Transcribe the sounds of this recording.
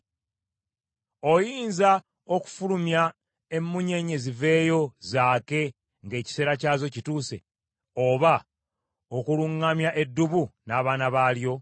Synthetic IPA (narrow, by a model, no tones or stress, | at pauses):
o̞jiːnza | o̞ku̥fulumja | e̞mːuɲe̞ɲe̞zive̞ːjo̞zaːke̞ | ŋɡe̞ːci̥se̞ːɾacaːzo̞cituːse̞̰ | o̞βa | o̞kuluŋːamjaʔe̞dːuβunaːβaːnaβaːljo̞